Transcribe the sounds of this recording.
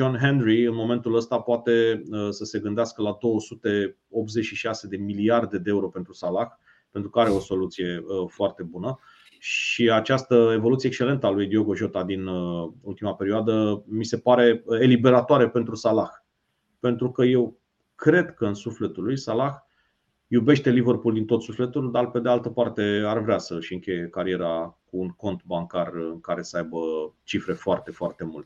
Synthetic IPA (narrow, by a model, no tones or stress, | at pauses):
d͡ʒo̞nɦenɾiɨnmo̞me̞nt̪uləst̪apoat̪e̞əsəse̞ɡɨnd̪easkəlad̪o̞wəsut̪e̞ | o̞p̚t̪ze̞t͡ʃʃiʃase̞d̪e̞miliard̪e̞d̪eeuɾo̞pent̪ɾusalax | pe̞nt̪ɾukəaɾe̞o̞so̞lut̪sije̞əfoart̪e̞bunə | ʃiat͡ʃast̪əe̞vo̞lut̪siekst͡ʃe̞le̞nt̪əalujd̪io̞ɡo̞ʒo̞t̪ad̪inəult̪imape̞ɾioad̪əmise̞paɾe̞elibe̞ɾat̪oaɾepe̞nt̪ɾusalax | pe̞nt̪ɾukəje̞w | kɾe̞d̪kəɨnsufle̞t̪ulujsalax | jube̞ʃt̪e̞livərpuld̪int̪o̞t̪sufle̞t̪uld̪arpe̞d̪ealt̪əpart̪e̞arvɾeasəʃiɨŋkʲe̞jekaɾie̞ɾakuːŋko̞nt̪baŋkarɨŋkaɾe̞səajbət͡ʃifɾe̞foart̪e̞foart̪e̞mult̪ʲe̥